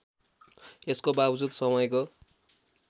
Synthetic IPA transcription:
eskobabd͡zud̪sʌmʌjko

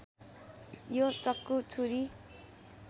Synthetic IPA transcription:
jot͡sʌkːut͡sʰuɾi

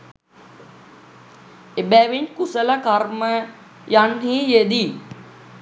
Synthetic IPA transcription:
ebæːʋiɲkusəlakarmə | janɦiːjed̪i

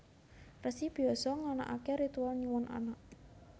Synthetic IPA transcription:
rəsib̥i̤ɔsɔŋana̰ʔa̰keɾit̪ualniwɔnʔa̰naʔ

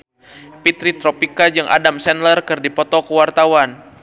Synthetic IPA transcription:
pit̪ɾit̪ɾɔpikad͡ʒɨŋʔa̰damsɛnlərkɨrdipɔt̪ɔkəwart̪awan

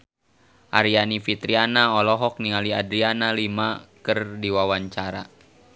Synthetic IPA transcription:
ʔaɾianifit̪ɾianaɔlɔɦɔk̚niŋaliadɾianalimakɨrdiwawaɲt͡ʃaɾa

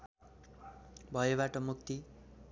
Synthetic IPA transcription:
bʱʌjeβaʈʌmuk̚t̪i

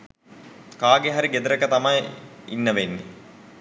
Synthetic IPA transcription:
kaːɡeɦaɾiɡed̪uɾəkət̪amɐjḭnːəʋenːḭ

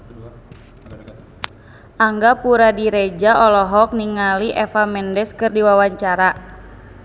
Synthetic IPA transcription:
ʔaŋɡapuɾadiɾɛd͡ʒaʔɔlɔɦɔk̚niŋaliʔɛfamɛndɛskɨrdiwawaɲt͡ʃaɾa

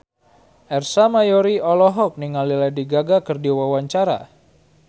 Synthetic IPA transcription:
ʔɛrsamajoɾiɔlɔɦɔk̚niŋalilɛdiɡaɡakərdiwawaɲt͡ʃaɾa̰

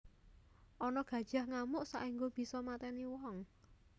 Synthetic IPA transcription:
ʔɔnɔɡ̥ä̤d̥ʒ̥a̤hŋamʊʔsa̰ʔiŋɡob̥i̤sɔmat̪ɛniwɔŋ

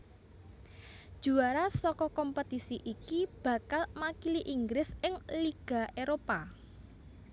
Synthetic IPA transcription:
d̥ʒ̥uaɾasɔkɔkɔmpət̪isiʔikib̥ä̤kalmakiliʔiŋɡɾɪsɪŋliɡ̥a̤ʔeɾopa

